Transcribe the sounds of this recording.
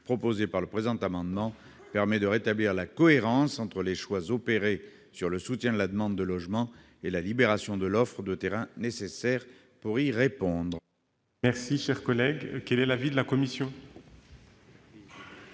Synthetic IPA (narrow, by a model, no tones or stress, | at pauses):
pχɔpozepaʁləpχezɑ̃t̪amɑ̃d̪mɑ̃ | pɛʁmɛd̪əʁet̪abliʁlakɔeʁɑ̃sɑ̃t̪χəleʃwazɔpeʁe | syʁləsut̪jɛ̃d̪əlad̪əmɑ̃d̪ːəlɔʒmɑ̃ | elalibeʁasjɔ̃d̪əlɔfχəd̪ət̪eʁɛ̃nesesɛʁ | puʁiʁepɔ̃d̪ʁ | mɛʁsiʃɛʁkɔlɛɡkɛlɛlavid̪əlakɔmisjɔ̃